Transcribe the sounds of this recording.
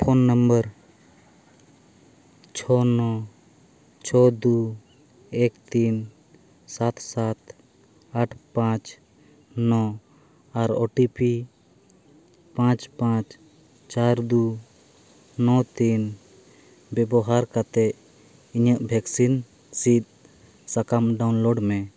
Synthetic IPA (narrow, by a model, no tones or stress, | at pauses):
pʰɔnːəmbəɾ | t͡ʃʰɔnɔ | t͡ʃʰɔd̪u | ɛkt̪in | sat̪sat̪ | aʈʰpãt͡ʃ | nɔ̃ | aɾɔʈipi | pãt͡ʃpãt͡ʃ | t͡ʃaɾd̪u | nɔt̪in | bɛbɔɦaɾkat̪ɛ | iɲəʔbʱɛksin | sit̪̚ | sakamɖawnlɔɖmɛ